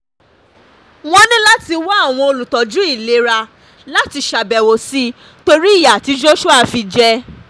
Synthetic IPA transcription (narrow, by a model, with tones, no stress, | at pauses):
w̃ɔ̃˦nĩ˦la˦ti˧wɔ˦a˦˨w̃ɔ̃˧o˧lu˨tɔ˨d͡ʒũ˨˦i˦˨le˨˦ɾa˧ | la˦ti˧ʃa˨bɛ˨wo˨si˦ | to˧ɾi˦i˦˨ja˨ti˨˧˦d͡ʒo˦ʃu˦a˧fi˧d͡ʒɛ˧